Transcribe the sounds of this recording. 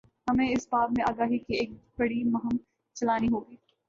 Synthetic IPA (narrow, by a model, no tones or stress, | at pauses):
hɐmẽɪsbaːd̪mẽʔaːɡaːɦikieːk̚bɐɽimɐɦəm | t͡ʃɐlaːniɦoːɡiː